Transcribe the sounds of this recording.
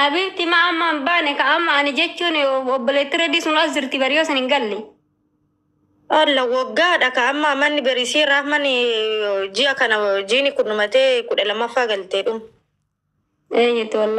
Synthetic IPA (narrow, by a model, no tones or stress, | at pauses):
ʔɐbiːbt̪ɪmaʔɐmːambaːnɛkɐːmːɐːnɪd͡ʒɛt͡ʃːuːnɔbːɔleːt̪ːɪɾɐd̪iːsʊnɾaːszɪɾt̪ɪbɐɾɪjoːsɐnhɪŋɡɐlːɛ | ʔɔlːɐwɔɡːaːᶑɐkɐːmːɐːmːɐnːɪbɐɾɪsiːɾamɐnɪ | d͡ʒɪʔɐkɐnɐd͡ʒiːnɪkʊnʊmɐt̪eːkʊᶑɐlɐmːɐfːaːɡɐlt̪eːᶑʊm | eːd͡ʒɛt̪ːɪwɐlː